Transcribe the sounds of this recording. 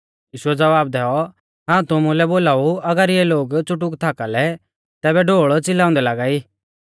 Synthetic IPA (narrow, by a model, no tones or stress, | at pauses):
jiːʃʊɛd͡zɐʋaːb̚d̪ɛɔ | ɦãːt̪ʊmulɛboːlaːuɐɡəɾijɛloːɡt͡sʊʈ̬ʊkt̪ʰaːkalɛ | t̪ɛːbɛɖʱoːɭt͡sɪlaːʊ̃nd̪ɛlaːɡaːiː